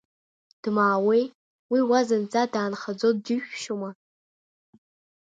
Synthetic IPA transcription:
d̥maːwej | wiwazɨnt͡sʼadaːnχad͡zodɨʃᶣʃoma

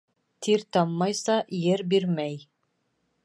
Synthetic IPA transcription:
t̪ʰiɾt̪ɑmːɑjsɑjɘɾbiɾmæj

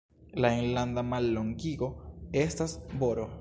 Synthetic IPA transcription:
lainland̪amalːoŋɡiɡo̞e̞stasboɾo

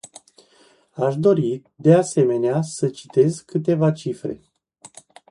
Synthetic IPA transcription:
aʃd̪o̞ɾid̪e̞ase̞me̞neasət͡ʃi̥t̪e̞zkɨt̪e̞vat͡ʃifɾe̞̰

